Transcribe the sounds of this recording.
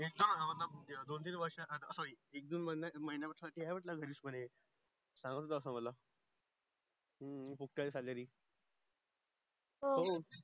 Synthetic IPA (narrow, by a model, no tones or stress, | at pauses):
ek̚d̪onɦaʋənːaed̪ont̪̬iːnʋəɾʂaʔ̪əsaɾiːek̚d̪uːnmənaməɦinjapəʈʰsaʈiːɦajʋəʈlaɡʱəɾiːsməñe | sãŋɡət̪ʰot̪ːsəməla | fuk̚ʈaesaləɾiː | ɦoɦo